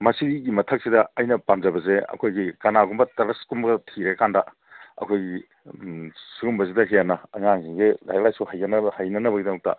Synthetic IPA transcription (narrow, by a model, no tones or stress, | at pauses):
mɐsiɡiɡimɐtʰɐk̚sidɐɐjnɐpamzɐbɐzeɐ̰kʰojɡikɐnaɡumbɐtɐɾɐskumbɡɐtʰiɾekandɐ | ɐ̰kʰojɡi | suɡumbɐs̬idɐɦijanɐɐŋaŋziŋɡela̰jlajsuhajɐnhajnɐnɐbɐɡidɐŋɐk̚tɐ̰